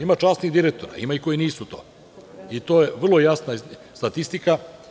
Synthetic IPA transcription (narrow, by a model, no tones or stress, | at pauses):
imat͡ʃaːsniɣd̪iɾek̚t̪o̞ɾa̰ḭmaiko̞jiniːsut̪o̞ː | it̪oːjeʋr̩lˠojasnast̪at̪ist̪ika